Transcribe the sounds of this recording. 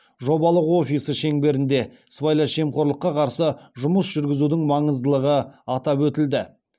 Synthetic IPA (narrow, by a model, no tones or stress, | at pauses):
ʒo̞bɑlˠəqwo̞fʲisəʃe̞ŋbe̞ɾɪnd̪e̞ | svajlˠɑʃe̞mqʰo̞ɾlˠəqːɑqʰɑɾsəʒʊməsʒ̥ʏɾɡʲɪzud̪ɪŋmɑɴəzd̪əlˠəʁəɑt̪ɑpwɵt̪ɪld̪ɪ